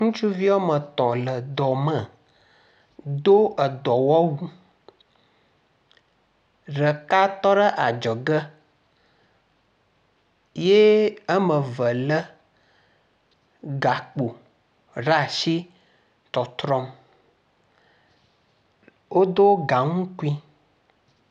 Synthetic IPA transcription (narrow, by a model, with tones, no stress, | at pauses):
ŋũ˦t͡ʃu˦vi˦wo˦mə̃˨t̪ɔ̃˨lə˨d̪ɔ˨mə˨ | d̪o˦ə˨d̪ɔ˨wɔ˦wu˦ | ɖə˨ka˦t̪ɔ˦ɖə˦ʔa˨d͡ʒɔ˨ɡə˦ | je˦ə˦mə̃˨və˨lə˦ | ɡa˨k͡po˨ | ɖa˦˨ʃi˦ | t̪ɔ˨t̪ɾɔ˦m | wo˦d̪o˦ɡa˨ŋũ˦ku˦i˦